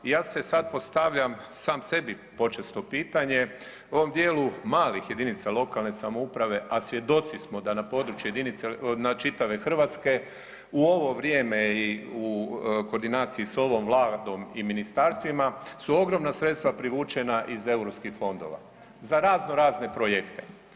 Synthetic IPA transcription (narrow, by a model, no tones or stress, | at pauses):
ijaːse̞sad̪̚po̞st̪aʋʎam | saːmse̞bi | po̞t͡ʃest̪o̞piːt̪aɲe̞ | o̞ʋo̞md̪jeːlumaːlixje̞d̪init̪salˠo̞kalne̞samoupɾaʋe̞ʔasʋje̞d̪o̞t̪sismo̞d̪anapo̞ːd̪ɾut͡ʃjujed̪init̪senat͡ʃit̪aʋe̞xr̩ʋat̪ske̞ | uo̞ʋo̞ʋɾje̞ːme̞iuko̞ɾd̪inaːt̪siiso̞ʋo̞mʋlˠaːd̪o̞miminist̪aɾst̪ʋimasuo̞ɡɾo̞mnasɾe̞t̪st̪ʋapɾiʋuːt͡ʃe̞naʔize̞uɾopskixfo̞nd̪o̞̰ʋa̰ | zaɾaːzno̞ɾaːzne̞pɾojekt̪e